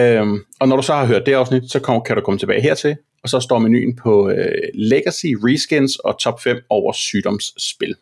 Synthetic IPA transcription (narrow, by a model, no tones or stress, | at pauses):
øɒ̽nɒɾ̥usɒ̽hɑ̈ɦøɐ̰d̥ːe̝ɑ̈ʊsnid̥sɒ̽kʰɒkʰæɾukʰɒ̽mət͡sʰe̝b̥ɛːɪɦeɐ̰t͡sʰe̝l | ɒ̽sɒ̽sd̥ɒ̰ːmeny̰ːn̩pʰɒ̽øleɡ̥æsiʁisɡ̥ensɒ̽t͡sʰɒ̽b̥fem̰ɒʊɐsyːɾ̥ɒ̽msb̥e̝l